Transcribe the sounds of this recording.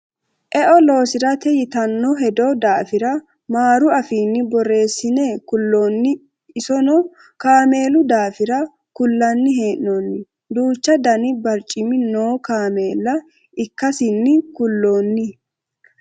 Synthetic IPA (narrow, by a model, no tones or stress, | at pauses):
ʔɛʔɔlo̞ːsɪɾɐt̪ɛjɪt̪ɐnːɔɦɛd̪ɔd̪aːfɪɾɐ | maːɾʊɐfiːnːɪbɔre̞ːsːɪnekʊlːoːnːɪː | sɔnɔ | kaːme̞ːlʊd̪aːfɪɾɐ | kʊlːɐnːɪɦe̞ːʔnonːɪ | d̪uːt͡ʃːɐd̪ɐnɪbɐɾt͡ʃʼːɪmɪnoːkaːme̞ːlːɐ | ɪkːɐsɪnːɪkʊlːo̞ːnːɪ